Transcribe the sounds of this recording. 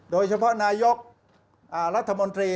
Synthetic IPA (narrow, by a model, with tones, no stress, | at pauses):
doː˧jt͡ɕʰa˧pʰɔ˦˥naː˧jo˦˥k̚ | ʔaː˨˩ɾa˦˥t̪ʰːa˧mo˧nt̪ɾiː˧